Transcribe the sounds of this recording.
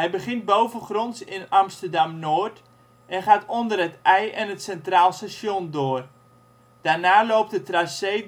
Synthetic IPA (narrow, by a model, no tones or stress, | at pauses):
ɦɛjbəχɪnt̚bowvəχronsɪnamstərdamnoːrt | ʔɛnχaːtondərətɛjʔɛnətsɛntraːlˠstaʃjondoːr | d̥aːrnaːlowp̚tdətraseː